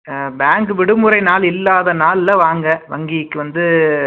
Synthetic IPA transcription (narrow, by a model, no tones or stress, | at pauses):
baːŋɡɯʋɪɽɯmɯɾɐɪnaːlɪlːaːðɐnaːllɐʋaːŋɡɐʋɐŋɡikːɯʋɐnd̪ɯ